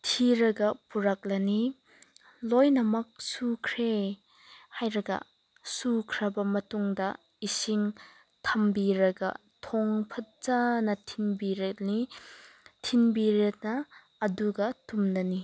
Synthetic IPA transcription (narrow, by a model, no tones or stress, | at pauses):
tʰiɾɐɡɐpuɾak̚lɐni | lojnɐmɐk̚sukʰɾe | hajɾɐɡɐ̰ | sukʰɾɐbɐmɐtuŋdɐ | isiŋ | tʰɐmbiɾɐɡɐ̰ | tʰɔŋpʰɐt̚t͡ʃanɐtʰinbiɾet̚ni | tʰinbiɾet̚nɐː | duɡɐtumnɐni